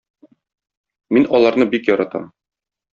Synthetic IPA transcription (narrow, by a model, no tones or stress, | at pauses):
minɒlˠɑɾnɤbikjɒɾɑt̪ɑ̰m